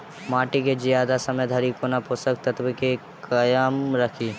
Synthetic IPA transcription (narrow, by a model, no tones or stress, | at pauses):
maːʈiked͡ʒijaːd̪asɐməjd̪ʱɐɾikonapʰosək̚t̪ɐt̪bike | kɐjaːmɾɐkʰiː